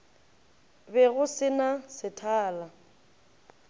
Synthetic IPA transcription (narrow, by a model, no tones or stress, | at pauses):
bɛɣʊsɪnasɪtʰaːla